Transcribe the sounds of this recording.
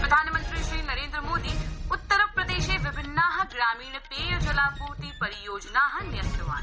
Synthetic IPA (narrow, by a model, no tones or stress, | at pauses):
pɾɐd̪ʱaːnmə̃nt̪ɾiʃɾiːnɐɾẽːnd̪ɾəmoːd̪iːʊt̪ːəɾpɾɐd̪eːʃeʋɪbʱɪnːaɦɐɡɾaːmiːɳ̃peːjd͡ʒɐlaːpuːɾt̪ipɐɾijoːd͡ʒnaːɦɐnɪjənt̪ɾəʋa̰ːn